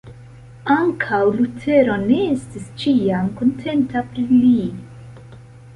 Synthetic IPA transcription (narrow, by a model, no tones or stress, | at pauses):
aŋkʰawlutʰe̞ɾo̞ne̞estist͡ʃiamkontʰe̞ntapɾili